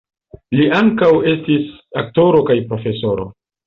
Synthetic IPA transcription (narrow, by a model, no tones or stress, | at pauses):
liaŋkawe̞stisak̚to̞ɾo̞kajpɾo̞fe̞so̞ɾo̞̰